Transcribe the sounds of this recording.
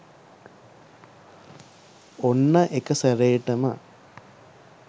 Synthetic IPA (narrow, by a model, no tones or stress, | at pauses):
onːɐʔekəseɾeːʈɐmɐ̰